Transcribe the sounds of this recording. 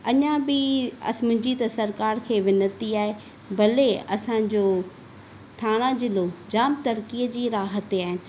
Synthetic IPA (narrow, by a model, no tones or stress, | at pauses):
ɐɲãbɪɐ̰smʊ̃ɦd͡ʑit̪ɐsɐɾkaːɾkʰeːʋɪnət̪iaːɦe | bɐleɐsãːd͡ʑoː | t̪ʰaːɽ̃ãd͡ʑɪlod͡ʑaːmt̪ɐɾkiəd͡ʑiːɾaːɦət̪aːɦɪnɪ̆